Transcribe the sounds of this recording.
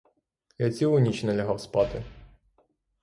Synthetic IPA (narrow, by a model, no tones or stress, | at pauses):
jat͡sʲilʊnʲit͡ʃnɛlʲɐɦɑwspɑt̪ɪ